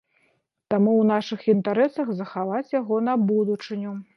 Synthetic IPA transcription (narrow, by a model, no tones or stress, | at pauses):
t̪amuwnaʂɨxint̪aɾɛsɐɣzɐxavat͡sʲjaɣɔnɐbud̪ut͡ʂɨnʲu